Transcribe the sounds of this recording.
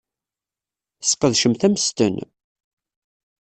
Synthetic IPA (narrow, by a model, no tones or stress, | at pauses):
sqəðʃəmθæməst̪ə̰n